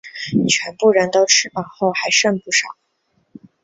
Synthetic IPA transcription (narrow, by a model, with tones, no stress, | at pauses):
t͡ɕʰɥɛ˧˥npu˥˩ɻə˧˥nt̪o˥ʊʈ͡ʂʰɻ̩˥˩pɑ˨˩ŋxo˥˩ʊxa˧˥ɪʂə˥˧npu˥˩ʂɑ˨˩˦ʊ